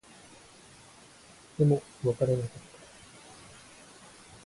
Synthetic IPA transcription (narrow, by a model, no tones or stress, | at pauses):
d̪̥e̞mo | βakaɾe̞nakat̪ːḁ